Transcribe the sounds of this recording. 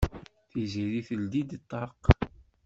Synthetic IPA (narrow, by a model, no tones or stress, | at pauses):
θiziɾiθəld̪id̪t̪ˤːɑɾq